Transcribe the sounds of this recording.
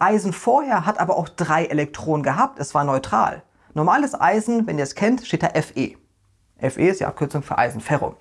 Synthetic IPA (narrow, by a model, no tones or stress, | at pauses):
ʔaɪzn̩foːɐheːɐɦatʔaːbɐʔaʊxd̥ʁaɪʔelɛk̚tʁ̥oːnənɡəɦaːp̚tʰɛsv̥aːɐnɔʏtʁ̥a̰ːl | nɔɐmaːləsʔa̰ɪzn̩vɛniːɐɛskʰɛntʃteːt̚d̥aːɐʔɛfʔḛː | ʔɛfʔeːɪstdḭʔa̰p̚kʰʏɐt͡sʊŋfyːɐʔa̰ɪzn̩fɛʁo̰